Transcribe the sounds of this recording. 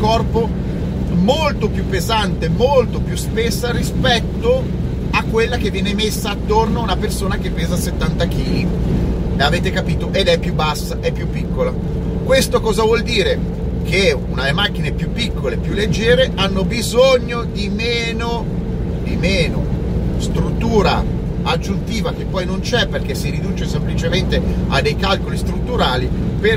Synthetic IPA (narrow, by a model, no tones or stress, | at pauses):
kɔrpo | molt̪opjupːezant̪emolt̪opjuspesːaɾispɛt̪ːo | akːwelːak̟evːjɛːnemesːaːt̪ːornoaunapersoːnak̟epːeːzaset̪ːant̪ak̟iːli | eaveːt̪ekapiːt̪oʔed̪ɛpːjubːasːaʔɛpːjupːikːola | kwest̪okɔːzavwɔld̪iːɾe | k̟eunaelemak̟ːinepjupːikːolepjulːed͡ʒːɛːɾeʔanːobizoɲːod̪imeːno | d̪imeːno | st̪ɾut̪ːuːɾa̰ | ad͡ʒːunt̪iːvakepːɔjnont͡ʃɛpːerk̟esiɾid̪uːt͡ʃesemplit͡ʃement̪ea̰d̪ːejkalkolist̪ɾut̪ːuɾaːliper